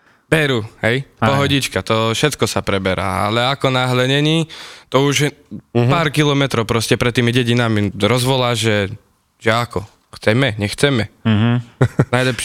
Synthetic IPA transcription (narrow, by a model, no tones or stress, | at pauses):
b̥ɛɾuːɦɛjpɔɦɔɟit͡ʃkat̪ɔfʃɛt̪kɔsapɾɛbɛɾa̰ːa̰lɛakɔnaɦlɛɲɛɲiːt̪ɔuʒpaːɾkilɔmɛt̪ɾɔʊpɾɔscɛpɾɛt̪ːiːmiɟɛɟinamiɾɔzʋɔlaːʒɛ | ʒɛakɔ | xt͡sɛmɛɲɛxt͡sɛmɛ | najlɛpʃ